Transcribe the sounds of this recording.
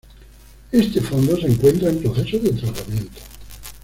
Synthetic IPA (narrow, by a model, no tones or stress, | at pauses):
est̪efond̪oseːŋkwent̪ɾaempɾoθesoðet̪ɾat̪amjẽnt̪o̥